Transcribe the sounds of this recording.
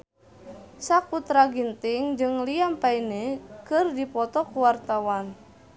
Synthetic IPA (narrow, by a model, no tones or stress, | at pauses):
sakut̪ɾaɡint̪iŋd͡ʒɨŋliampainekɨrdipɔt̪ɔkuwart̪awan